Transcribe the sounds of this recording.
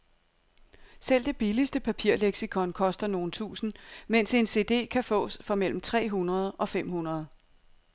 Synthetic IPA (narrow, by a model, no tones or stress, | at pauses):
sel̰d̥e̝b̥ilisd̥əpʰæpʰiɐ̰leɡ̥sikʰɒ̽nkʰɒ̽sd̥ɐno̝ːn̩t͡sʰṵːsn̩men̰se̝nse̝ːd̥e̝̰ːkʰæfɔ̰̽ːsfɒ̽mel̰m̩t͡sʰʁɛ̰ːɦunʁɐð̞̩ˠʔɒ̽fem̰hunɐð̞ˠ